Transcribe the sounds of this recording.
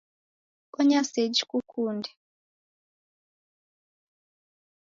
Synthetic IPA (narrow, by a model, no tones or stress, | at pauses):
kɔɲased͡ʒikukʰuːndɛ